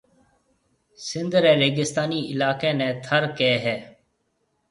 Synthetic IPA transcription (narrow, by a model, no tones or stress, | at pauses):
sɪ̃nd̪ɾɛːɾeːɡɪst̪aːniːʔɪlaːkẽːnɛ̃ːt̪ʰəɾkeːɦɛː